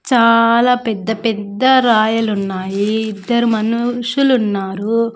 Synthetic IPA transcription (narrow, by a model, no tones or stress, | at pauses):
t͡ʃaːlaːpɛd̪ːɐpɛd̪ːɐɾaːjɐlunːaːjiːd̪ːɐɾumɐnuʂulunːaːɾu